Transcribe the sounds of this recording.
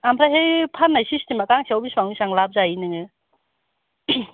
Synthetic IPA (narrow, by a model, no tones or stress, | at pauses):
ampʰɾaɦejpʰanːajsistemakaŋsiawbispaŋnisaŋlab̚zainɯŋɯ